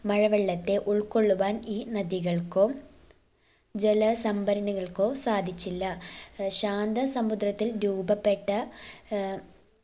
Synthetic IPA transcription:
mɐɻɐʋeɭːɐt̪ːe̞ʔuɭko̞ɭːuʋaːniːnɐðiɣɐɭko̞ː | d͡ʑelɐsɐmbɐɾɐɳiɣɐɭko̞ːsaːd̪ʱit͡ɕːilːɐɕaːnd̪ɐsɐmud̪rɐt̪ːilɾuːbɐpːe̞ʈːɐ

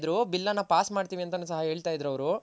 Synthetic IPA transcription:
d̪ɾubilːɐnːapaːsmaːɖt̪iːʋiɐnt̪ɐnuːsɐɦɐɦe̞ːɭt̪aːjid̪ɾɐʋɐɾu

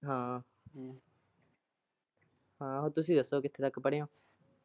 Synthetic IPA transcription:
ɦãː | ɦãːot̪ʊsĩːd̪əsoːkɪt̪ʰːeːt̪əkʰːpəɽeːõː

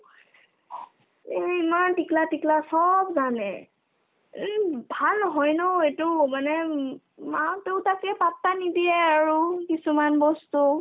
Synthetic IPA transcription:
imantiklatiklasɔbzanɛ̰ | bʱalɔɦɔjnɔejtʊmanɛ | mawtewtakɛpap̚ːanidijɛaɹukisumanbɔstu

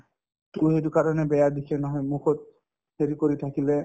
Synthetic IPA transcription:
tuɦet̬ukaɹɔnɛbɛjadikʰɛnɔɦɔjmuxʰɔt̚ | heɾikoɹitʰakilɛ

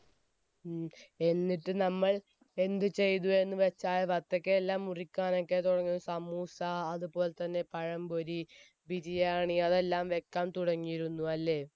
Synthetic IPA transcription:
e̞nːiʈːɨnɐmːɐɭ | e̞nd̪ɨt͡ɕe̞jt̪ue̞nːɨʋet͡ɕːaːjʋɐt̪ːɐkːeːlːaːmurikʲːaːno̞kːe̞t̪uɽɐŋːuusɐmuːsaːðupo̞ːlet̪ɐnːe̞pɐɻɐmboɾi | bid͡ʑijaːɳiɐðe̞lːaːmʋe̞kːaːmt̪uɽɐŋːijiɾunːuɐlːe̞ː

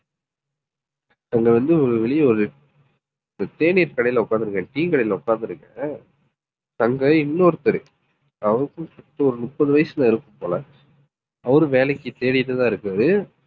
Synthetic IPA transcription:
t̪ɐŋɡɐʋɐnd̪ɯɔɾɯʋɛɭɪjɐɔɾɯ | nd̪ɐt̪eːɳɪjɾkɐɽɐjɪlɐʊkːaːnd̪ɪɾɯŋɡɐ̃ʈiːŋkɐɽɐjɪlɐʊkːaːɾnd̪ɪɾɯŋɡɐ | t̪ɐŋɡɐɪnːoːɾɯt̪ɐɾɯ | ɐʋɐɾɯkːɯ̃msɐʈːɐɔɾɯnʊʈpːɐðɯʋɐjɐsɯnãːɪɾɯkːɯmpoːlɐ | ɐʋɐɾɯʋeːlɐkːɯt̪eːɽɪjt̪ːɯt̪ãːɪɾɯkːɯɾɐːðɯ

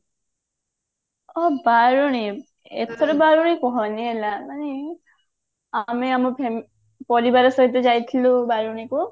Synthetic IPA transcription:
ɔbaɹuɽ̃i | ḛt̪ʰɔɾɔbaɾuɽ̃ikɔɦɔnielamane | ameamɔpʰe | pɔɾibaɾɔsɔɦit̪ɔzajt̪ʰilobaɹuɽ̃iku

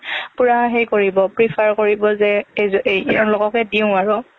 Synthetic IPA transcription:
puɹaɦaxejkoɹibɔpɹipʰaɹkoɹibɔzɛzɔɹlɔɡɔkɛdiʊ̃aɹɔ

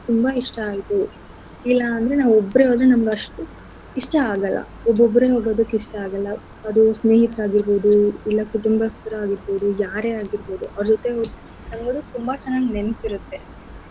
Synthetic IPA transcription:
t̪umbaiʂʈɐaːjit̪u | ilːɐːnd̪ɐɾe̞naːʋuɔbːɐɾeɦoːd̪ɾunɐmɐɡɐʂʈu | iʂʈɐaːɡɐlːɐ̰ | ɔbːobːɐɾe̞ɦoːɡo̞ːd̪ɐkːiʂʈɐaːɡɐlːɐ | ɐd̪usne̞ːɦit̪ɐɾaːɡiɾbo̞ːd̪uilːɐkuʈumbɐst̪ɐɾɐaːɡiɾbo̞ːd̪ujaːɾe̞aːɡiɾbo̞ːd̪uʔɐʋɾd͡ʒot̪ːe̞od̪ | nɐmɐɡod̪ut̪umbat͡ʃɛnːaːɡnenɐkiɾut̪ːe̞

